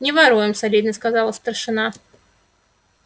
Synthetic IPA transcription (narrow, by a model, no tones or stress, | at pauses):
nʲɪvaɾujɪmsalʲid̪nəskazɑlˠəst̪ərʂɨna